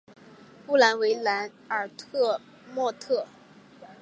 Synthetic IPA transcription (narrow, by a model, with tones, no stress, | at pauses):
pu˥˩la˧˥nwe˧˥ɪla˧˥n | ə˞˨˩t̪ʰɤ˥˧ | mwɔ˥˧t̪ʰɤ˥˩